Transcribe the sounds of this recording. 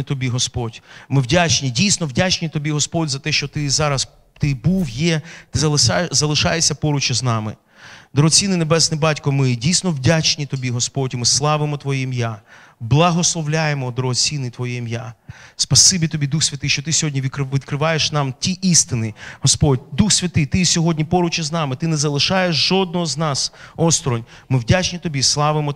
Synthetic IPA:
it̪ɔbʲiɦɔspɔdʲmɪwdʲat͡ʃnʲidʲijsʲnɔwdʲat͡ʃnʲit̪ɔbʲiɦɔspɔdʲzɐt̪ɛʃt͡ʃɔt̪ɪzɑɾɐs | t̪ɪbuwjɛt̪ɪɐzɐlˠɪʃɑjesʲːɐpɔɾʊt͡ʃɪznɑmɪ̰ | d̪ɔɾɔɦɔt͡sʲinɪnebɛsnɪbɑtʲkɔmɪdʲijsʲnɔwdʲat͡ʃnʲit̪ɔbʲiɦɔspɔtʲimɪslˠɑʋɪmɔt̪ʋɔjimja | blˠɐɦɔslˠɔʋlʲajemɔd̪ɾɔɦɔt͡sʲinɪjt̪ʋɔjimjaspɐsɪbʲit̪ɔbʲid̪uxsʲʋʲɐt̪ɪʃt͡ʃɔt̪ɪsʲɔɦɔdʲnʲiʋʲikʋʲid̪kɾɪʋɑjeʃnɑmtʲiʔist̪ɪnɪhɔspɔdʲd̪uxsʲʋʲɐt̪ɪt̪ɪsʲɔɦɔdʲnʲipɔɾʊt͡ʃɪznɑmɪt̪ɪnɛzɐlˠɪʃɑjeʃʒɔd̪nɔɦɔznɑsɔst̪ɾɔnʲ | mɪwdʲat͡ʃnʲit̪ɔbʲislˠɑʋɪmɔ

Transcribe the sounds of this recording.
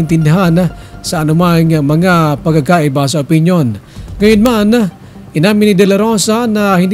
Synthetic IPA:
ɪnt̪ɪnd̪ɪɦanasɐʔːnʊmaŋamɐŋapɐɡaɡkaʔɪbas̬ɐʊpɪnjonŋɐjʊnmana | ʔɪnaːmɪnɪd̪ɛlɐɾosanahɪnd̪

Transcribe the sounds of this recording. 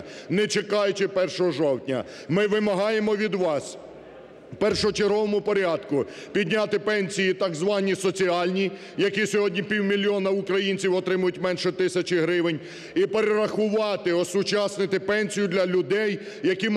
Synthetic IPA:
nɛt͡ʃekɑjʊt͡ʃɪpɛrʃɔɦɔʒɔwtʲnʲɐ̰ | mɪʋɪmɐɦɑjemɔʋʲid̪ʋɑs | pɛrʃɔɦɔt͡ʃeɾɦɔʋɔmʊpɔɾʲɑd̪kʊ | pʲid̪ʲnʲat̪ɪpɛnʲsʲijit̪ɑɡzʋɑnʲisɔt͡sʲiɑlʲnʲi | jɐkisʲɔɦɔdʲnʲipʲiwmʲilʲiɔnɐʊkɾɐjinʲt͡sʲiwɔt̪ɾɪmʊjʊtʲmɛnʃɛt̪ɪsʲɐt͡ʃɪɦɾɪʋɪnʲ | ipeɾeɾɐxʊʋɑt̪ɪɔsʊt͡ʃɑsnɪt̪ɪpɛnʲsʲijʊd̪lʲɐlʲʊd̪ɛjː | ɐkim

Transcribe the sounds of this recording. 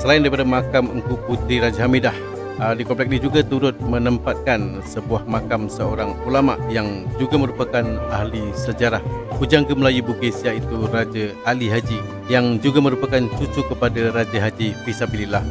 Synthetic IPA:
səlaɪndaɾipadamakaməŋkuput̪ɾiɾad͡ʒaɦamidah | dikɔmplɛk̚nid͡ʒuɡat̪uɾʊt̪̚mənəmpat̪̚kan | səbuahmakamsəoɾaŋulama̰ʔjaŋd͡ʒuɡamə̃ɾupakanaɦlisəd͡ʒaɾahkud͡ʒaŋkəməlajubuɡesiait̪urad͡ʒaaliɦad͡ʒi | jaŋd͡ʒuɡamə̃ɾupakant͡ʃut͡ʃukəpadaɾad͡ʒaɦad͡ʒipisabililah

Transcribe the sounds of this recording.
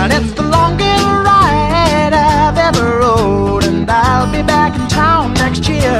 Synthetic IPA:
ə̃nɪtsðəlɔ̃ŋɡə˞ɹaɪ | ɾaɪvɛvə˞ɹoʊ | ɾɨ̃nðaɪlˠbibækn̩tʰãʊ̃nːɛkst̚jɪɹ

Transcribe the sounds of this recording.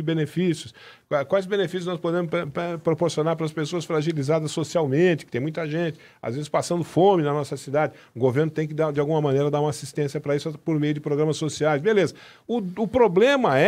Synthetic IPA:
ɪbenefisjʊs | akwajzbẽnefisjʊznɔspod̪ẽmʊpɛpɾopoɾsionaɾpɾɐspesoɐsfɾaʒilizad̪ɐsːosiawmẽt͡ʃɪ̥kɪ̥t̪ẽmũj̃t̪ɐʒẽt͡ʃɪ̥ | a̰zvezɪspasɐ̃nd̪ʊfõmɪnɐnɔsɐsid̪ad͡ʒɪ | ʊɡoveɾnʊt̪ẽj̃kɪd̪ad͡ʒɪawɡũmɐmɐ̃nejɾɐd̪aɾũmɐasist̪ẽsjɐpɾɐisʊpoɾmejʊd͡ʒɪpɾoɡɾɐ̃mɐsːosiajsbelezɐ | ʊʊpɾoblẽmɐɛ

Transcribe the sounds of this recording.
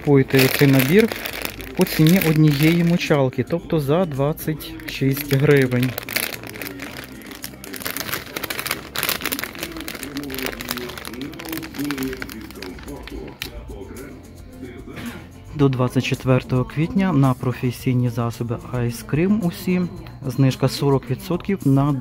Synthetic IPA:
pujet̪ɛɔt̪sɛjnɐbʲirpɔt͡sʲinʲiʔɔd̪ʲnʲijɛjimʊt͡ʃɑlˠkɪt̪ɔpt̪ɔzɐd̪ʋɑt͡ssʲːɐtʲ | ʃisʲtʲɦɾɪʋenʲ | d̪ɔd̪ʋɑt͡sʲːɐtʲt͡ʃet̪ʋɛrt̪ɔɦɔkʋʲit̪ʲnʲɐnɐpɾɔfesʲijnʲizɑsɔbɪɑjskɾɪmusʲi | znɪʃkɐsɔɾɔkʋʲid̪sɔt̪kʲiwnɐ

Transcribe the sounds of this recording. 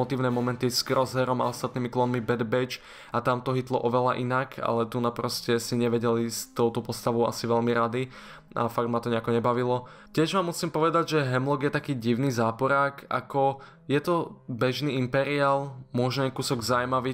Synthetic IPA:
ɔt̪iːʊnɛːmɔmɛnt̪isɡɾɔzɦɛɾɔma̰ɔst̪at̪̚niːmiklɔnmibɛd̪bɛt͡ʃ | at̪amt̪ɔɦit̪lɔ̰ʔɔʋɛla̰ʔinakʰa̰lɛt̪unapɾɔscɛsiɲɛʋɛɟɛlist̪ːɔʊt̪ɔpɔst̪aʋɔʊʔa̰siʋɛʎmiɾad̪i | a̰faɡd̪mat̪ɔɲɛakɔɲɛbaʋilɔ | cɪɛʒmaːmːusiːmpɔʋɛd̪aɟʒɛɦɛmlɔɡjɛt̪akiːɟiʊniːzaːpɔɾaːkʰa̰kɔ | jɛt̪ɔbɛʒniːimpɛɾiaːlmʊɔʒɛɲɛkusɔɡzajmaʋiː

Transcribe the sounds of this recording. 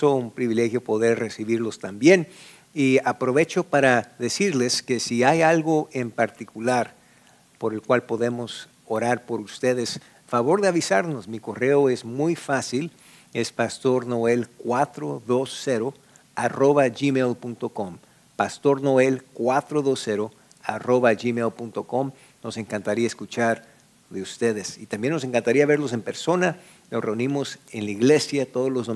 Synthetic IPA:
soumpɾiβile̞xjo̞po̞ðe̞ɾre̞siβiɾlo̞st̪ambje̞n | iapɾo̞βe̞t͡ʃo̞paɾaðe̞siɾle̞ske̞siajalɣo̞ʔe̞mpaɾt̪ikulaɾ | po̞ɾe̞lkwalpo̞ðe̞mo̞s | o̞ɾaɾpo̞ɾust̪e̞ðe̞s | faβo̞ɾðeaβisaɾno̞smiko̞re̞oe̞zmujfasil | e̞spast̪o̞ɾno̞e̞lkwat̪ɾoðo̞sːeɾo | a̰ro̞βaʝimelpunt̪o̞kom | past̪o̞ɾno̞e̞lkwat̪ɾo̞ðo̞se̞ɾo̞ | a̰ro̞βaʒimelpunt̪oko̞m | no̞se̞ŋkant̪aɾiaeskut͡ʃaɾ | ðe̞ust̪e̞ðe̞sit̪ambje̞nːo̞s̬e̞ŋkant̪aɾiaβe̞ɾlo̞s̬e̞mpe̞ɾso̞na | losre̞unĩmo̞senlaiɣle̞sjat̪oð̞ozlo̞zðo

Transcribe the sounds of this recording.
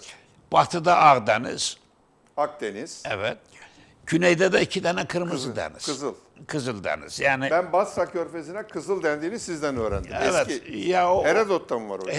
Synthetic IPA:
b̥at̪ʰɯd̪aʔaɣd̪enḭz̥ | ak̚d̪eniz̥ɛvɛt̪̚ | ɟ̥ynejd̪ɛd̪ɛicʰid̪ɛnɛkʰɯɾmɯzɯd̪ḛnḭzɯzɯlˠ | kʰɯzɯlˠd̪ḛnḭz̥jaːnibænbasakʰøɾfezinɛkʰɯzɯlˠd̪ænd̪iːnizsizd̪ænøːɾænd̪iɛɛvɛtijaoheɾɛd̪ot̪ʰːamɯmva̰ɾo

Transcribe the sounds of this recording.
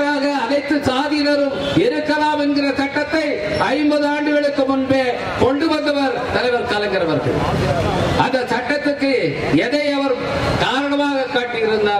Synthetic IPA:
ɾaːɣɐːðɐɪt̪ːɯsaːðɪnɐɾɯmɪɾɯkːɐlaːmɛnɡɪrɐsɐʈːɐt̪ːɐɪ | ɐɪmbɐðɯaːɳɖɯʋɛɭɯkːɯmʊnbeː | kɔɳɖɯʋɐnd̪ɐʋɐɾt̪ɐlɐɪʋɐɾkɐlɐŋɡɪɾɐʋɐɾɣɐ̰ɭ | ɐnd̪ɐsɐʈːɐt̪ːɯkːɯ | ɛðɐɪɐʋɐɾɯ | kaːɾɐɳɐmaːɣɐkːaːʈːɪjɪɾɯnd̪aː

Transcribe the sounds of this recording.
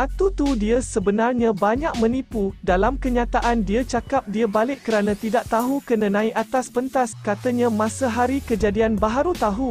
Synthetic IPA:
ʔat̪ut̪udiəsəbənarɲãbaɲaʔ̚mə̃nipudalamkəɲat̪aʔandiat͡ʃakap̚diabalɪʔkːəɾanãt̪idaʔ̚t̪aɦukənə̃nãiʔat̪aspənt̪askat̪əɲãmãsaɦaɾikəd͡ʒadianbaɦaɾut̪aɦu

